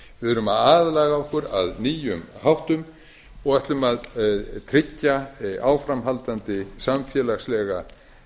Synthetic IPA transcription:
vɪðʏɾʏmaðaːðlaːɣaɔhkʏɾa̰ðniːjʏmhawht̪ʏm | ɔɣɛjht̪lʏmaðt̪ʰɾɪcːaaːwfɾamɦalt̪ant̪ɪsamfjɛːlaslɛɣa

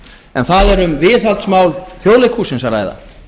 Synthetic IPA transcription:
ɛ̰nθaðɛɾʏmvɪːθalt̪smaːwlθjoːwlɪkʰuːsɪnsara̰ːjða̰

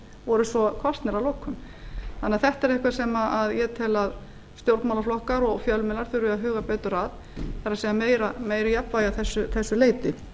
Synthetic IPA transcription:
vɔɾʏsvɔkʰvast̪nɛɾavlowkʰʏmθanːɪaθɛht̪ɛɾehkvasɛmaaðjɛt̪ʰɛlað | st̪jowɾt̪mawlaflɔhkaɾɔɣfjœlmɛlaɾ̥θʏɾɪaðɦʏːɣapɛːt̪ʏɾað | θaɾaseːjameːjɾameːjɾɪjapvaːjaðθɛsːʏθɛsːʏleːjt̪ɪ

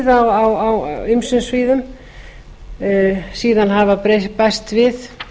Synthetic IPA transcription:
ðawawawʏmsʏnsviːðʏm | siːðanɦavapɾepɛst̪vɪð

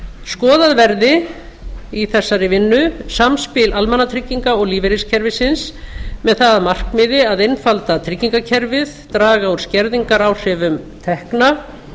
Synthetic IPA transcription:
skɔːðaðvɛɾðɪ | iθɛsːaɾɪvɪnːʏsamspɪlalmɛnːat̪ʰɾɪcːiŋkaɔɣliːvɛɾɪscʰɛɾvɪsɪnsmɛðθaðmar̥kmɪðɪaðejnfalt̪at̪ʰɾɪcːiŋkacʰɛɾvɪðt̪ɾaːɣauɾ̥scɛɾðiŋkaɾawr̥ɪːvʏmt̪ʰɛhkna

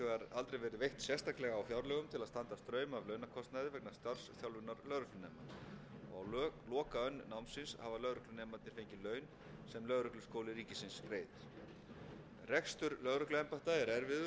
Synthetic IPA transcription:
œɣaɾalt̪ɾejvɛːɾɪðvejht̪sjɛst̪ʰaklɛɣaawfjawɾlɛɣʏmt̪ʰɪlaðst̪ant̪ast̪ɾœːɥmaːvlœɥnakʰɔst̪najðɪvɛk̚nḁst̪ar̥sθjawlvʏnːaɾlœɣɾʏklʏnɛːmaɔawlːlɔːkaœnːnːawmnsɪnshavalœɣɾʏhklʏnɛːmat̪nɪɾ̥fejɲcɪlœːɥn | sɛmlœðɾʏklʏ̥skoːwlɪɾiːcɪsɪnsreːjt̪ | rɛkst̪ʏɾlœɣɾʏhklʏɛmpaht̪aɛɾɛɾvɪðʏ

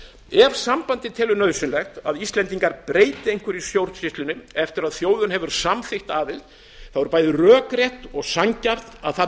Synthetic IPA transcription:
ɛɾsampant̪ɪt̪ʰɪlʏnœðsʏnlɛxt̪a̰ðist̪lɛnt̪̬iŋkaɾpɾeːjt̪ɪejŋ̥kvʏɾisjowɾ̥t̪sɪst̪lʏnʏɛft̪ɪɾaðθjoːwðʏnɦɛvʏɾ̥samθɪxt̪aːðɪlt̪ | θawvʏɾpaːjðɪrœːkɾjɛht̪ɔɣsaɲcar̥t̪aðθa

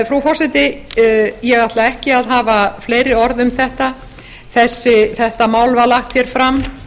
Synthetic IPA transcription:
fɾufɔr̥sɛt̪ɪ | jɛɣaht̪laɛhcɪaðɦaːvafleːjɾɪɔɾðʏmθɛht̪a | θɛsːɪθɛht̪amaːwlvalaxt̪çjɛɾ̥fɾam

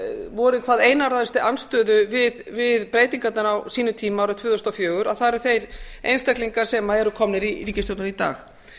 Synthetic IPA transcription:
vɔɾɪkʰvaːðejnaɾaðɛst̪ɪʔanst̪œːðʏvɪðvɪðpɾeːjt̪iŋkat̪nanawsiːnʏt̪ʰiːmaɾʏt̪ʰvʏːðθɔst̪awfjœːɣʏɾaðθaðɾʏθejɾejnst̪akliŋkḁsɛmaɛɾʏkʰɔmnɪɾiɾiːcɪst̪owt̪ʏnit̪a̰ːx

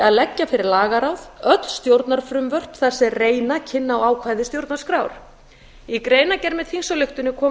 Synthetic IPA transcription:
aðlɛcːafɪɾɪɾlaːɣaɾawðœt̪l̥st̪jowɾt̪naɾ̥fɾʏmvœr̥pθasːɛreːjnacʰɪnːaɔaːwkʰvajðɪst̪jowɾt̪naɾ̥skɾaːwɾ̥ | ikɾeːjnacɛɾmɛðhiŋsɔlʏxt̪ʏnːɪkʰɔː

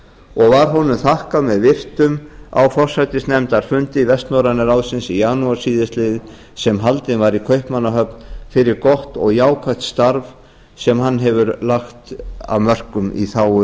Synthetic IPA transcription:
ɔɣvaɾɦɔnʏmθahkamɛðvɪr̥t̪ʏma̰wfɔr̥sajt̪ɪsnɛmt̪aɾ̥fʏnt̪ɪvɛst̪nɔwɾanɪɾawðsɪnsijaːnuaɾsiːðɪst̪lɪðɪ | sɛmɦalt̪ɪnvaɾikʰœɥhpmanːaɦœpnfɪɾɪɾkɔht̪ɔɣjaːwkʰaht̪st̪aɾv | sɛmhanːɦɛvʏɾlaxt̪a̰vmœr̥kʏmḭθaːwʏ

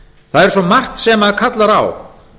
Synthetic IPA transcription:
θaðɛɾ̥sɔmar̥t̪sɛmaðkʰat̪laɾa̰w

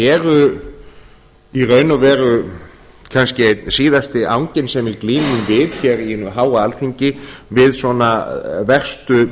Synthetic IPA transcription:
ɛːɾʏ | irœːɥnavɛːɾʏ | kʰanscɪsiːðast̪ɪʔa̰wɲcɪnsɛmɛɾkliːnʏmvɪðçɛɾinʏɦaːwaalθiɲcɪvɪðswɔnavɛr̥st̪ʏ

